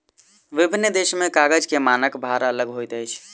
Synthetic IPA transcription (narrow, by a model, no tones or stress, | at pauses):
ʋibʱinːd̪esmekaɡəd͡ʒkemanəkbʱaɾaələɡɦojt̪əjt͡ʃʰ